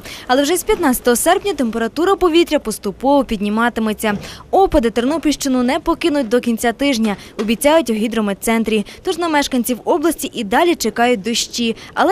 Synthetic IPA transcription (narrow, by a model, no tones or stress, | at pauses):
ɐlˠɛwʒɛsʲpʲjɐt̪nɑt͡sʲɐ̥t̪ɔɦɔsɛrpnʲɐt̪empeɾɐt̪uɾɐpɔʋʲit̪ɾʲɐpɔst̪ʊpɔʋɔpʲid̪ʲnʲimɑt̪ɪmet͡sʲːɐɔpɐd̪ɪt̪ernɔpʲiʃt͡ʃɪnʊnɛpɔkɪnʊt̚ʲd̪ɔkʲinʲt͡sʲat̪ɪʒnʲɐɔbʲit͡sʲɑjʊtʲwɦʲid̪ɾɔmet̪sɛnt̪ɾʲit̪ɔʒnɐmɛʃkɐnʲt͡sʲiwɔblˠɐsʲtʲiʔid̪ɑlʲit͡ʃekɑjʊt̚ʲd̪ɔʃt͡ʃʲiɐ̰lˠɛ